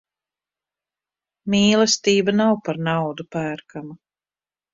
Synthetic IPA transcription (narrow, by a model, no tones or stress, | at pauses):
miːlˠɛst̪iːbanawpaɾnawd̪upæːɾkʰama